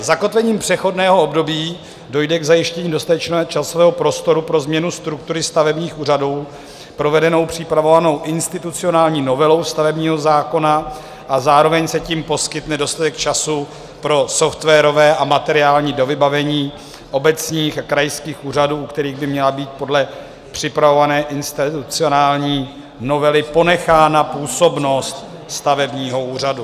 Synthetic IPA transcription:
zako̞t̪vɛɲiːmpr̝̥ɛxo̞dnɛːɦo̞obdo̞biː | do̞jdɛɡzajɪʃcɛɲiːdo̞st̪at̪ɛt͡ʃnɛt͡ʃasovɛːɦo̞pɾo̞st̪o̞ɾupɾo̞zmɲɛnust̪ɾuk̚t̪uɾɪst̪avɛbɲiːxʔuːraduw | pɾo̞vɛdɛno̞wpr̝̥ɪpɾavo̞vano̞wʔɪnst̪ɪt̪ut͡sɪo̞naːlɲiːno̞vɛlo̞wst̪avɛbɲiːɦo̞zaːko̞na | ʔazaːɾo̞vɛɲsɛciːmpo̞skɪt̪nɛdo̞st̪at̪ɛkt͡ʃasu | pɾo̞soft̪vɛːɾo̞vɛːʔamat̪ɛɾɪaːlɲiːdo̞vɪbavɛɲiː | ʔo̞bɛt͡sɲiːxakɾajskiːxuːraduːukt̪ɛɾiːɣbɪmɲɛlabiːt̪̚po̞dlɛ | pr̝̥ɪpɾavo̞vanɛːʔɪnst̪ɪt̪ut͡sɪo̞naːlɲiː | no̞vɛlɪpo̞nɛxaːnapuːso̞bno̞st̪ | st̪avɛbɲiːɦo̞uːr̝adu

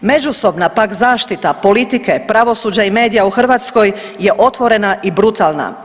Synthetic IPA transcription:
me̞d͡ʒuso̞bnapakzaːʃt̪it̪apo̞lit̪ike̞pɾaʋo̞suːd͡ʑaime̞ːd̪ijauxr̩ʋaːt̪sko̞j | je̞ʔo̞t̪ʋo̞ɾe̞naʔibɾut̪ʰaːlˠna̰

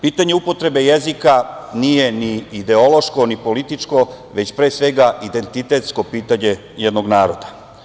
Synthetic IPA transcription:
piːt̪aɲe̞upo̞t̪ɾe̞be̞jezikanije̞niːd̪e̞o̞lo̞ʃko̞nipo̞lit̪it͡ʃko̞ | ʋe̞t͡ɕpɾe̞ːsʋe̞ɡaʔid̪e̞nt̪it̪e̞t̪sko̞piːt̪aɲe̞ | jed̪no̞ɡnaːɾo̞d̪a

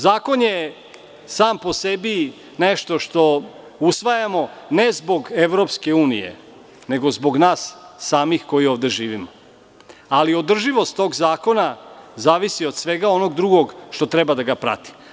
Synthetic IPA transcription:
zaːko̞nje | saːmpo̞sebi | neʃt̪o̞ʃt̪o̞ | usʋajamo̞ne̞zbo̞ɡeʋɾo̞pske̞uːnḭjḛ | ne̞ɡo̞zbo̞ɡnaːsːaːmixko̞jioːvd̪e̞ʒiːʋimo | alio̞d̪r̩ʒiʋo̞st̪ːo̞ːɡzaːko̞nazaːʋisio̞d̪sʋe̞ɡaono̞ɡd̪ɾuɡo̞ɡʃt̪o̞t̪ɾebad̪aɡapɾa̰t̪i̥

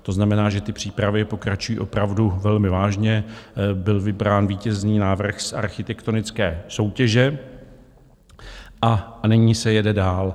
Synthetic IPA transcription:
t̪o̞znamɛnaːʒɛt̪ɪpr̝̥iːpɾavɪpo̞kɾat͡ʃujiːʔo̞pɾavduvɛlmɪvaːʒɲɛbɪlvɪbɾaːnviːcɛzniːnaːvr̩xsʔa̰ɾxɪt̪ɛkt̪o̞nɪt͡skɛːso̞wcɛʒɛ | ʔanɪɲiːsɛjɛdɛdaːl

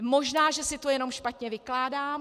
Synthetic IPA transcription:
mo̞ʒnaːʒɛsɪt̪ojɛno̞mʃpat̪ɲɛvɪklaːdaːm

